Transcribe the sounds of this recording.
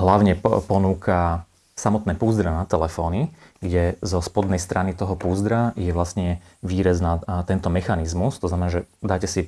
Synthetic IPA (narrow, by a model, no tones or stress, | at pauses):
ɦlaʊɲɛpɔnuːkʰa | samɔt̪nɛːpuːzd̪ɾanat̪ɛlɛfɔːniɡɟɛzɔspɔd̪nɛjst̪ɾʔanit̪ɔɦɔpuːzd̪ɾajɛʋlasɲɛʋiːɾaznat̪ɛnt̪ɔmɛxanizmust̪ɔznamɛnaːʒɛd̪aːcɛsi